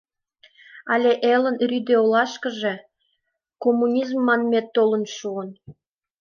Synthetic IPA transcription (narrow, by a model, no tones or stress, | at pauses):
ɑlʲeʔelə̆nryd̪eolɑʃkə̆ʒe | komːunʲizmːɑnmet̪ːolənʃuən